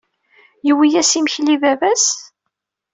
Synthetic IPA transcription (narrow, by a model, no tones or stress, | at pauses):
jəwijæsiməçlivævæs